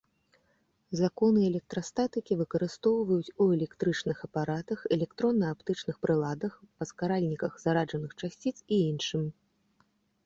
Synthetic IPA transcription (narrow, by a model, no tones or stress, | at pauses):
zakɔnɨɛlʲɛk̚t̪ɾɐst̪at̪ɨkʲivɨkɐɾɨst̪ɔwvɐjut͡sʲuɛlʲɛkt̪ɾɨt͡ʂnɨxɐpaɾat̪ɐxɛlʲɛkt̪ɾɔnːɐapt̪ɨt͡ʂnɨxpɾɨlˠad̪ɐxpɐskaɾalʲnʲikɐxz̥aɾaʐɐnɨxt͡ʂasʲt͡sʲit̪siinʂɨmʲ